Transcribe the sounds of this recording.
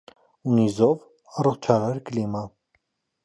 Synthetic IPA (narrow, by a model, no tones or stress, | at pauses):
unizɔv | ɑrɔχt͡ʃʰɑɾɑɾklimɑ